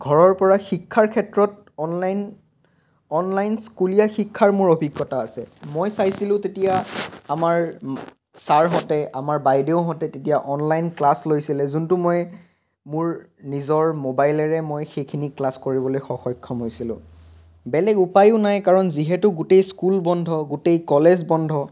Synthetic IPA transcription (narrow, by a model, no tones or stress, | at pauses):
ɡʱɔɹɔɹpɔɹaxikʰːaɹkʰɛtɹɔt̚ | ɔnlajn | ɔnlajnskulijaxikʰːaɹmʊɹobʱiɡːɔtaːsɛmojsajsilʊ̃tetijaːmaɹ | saɹɦɔtɛʔamaɹbajdeʊɦɔtɛtetijaʔɔnlajnklaslojsilɛzuntʊmoj | mʊɹ | nizɔɹmobajlɛɹɛmojxejkʰiniklaskoɹibɔlojxɔxɔjkʰːɔmɦojsilʊ̰̃ | bɛlɛɡupajʊʊnajkaɹɔnziɦɛtʊɡutejskulbɔndʱɔɡutejkɔlezbɔndʱɔ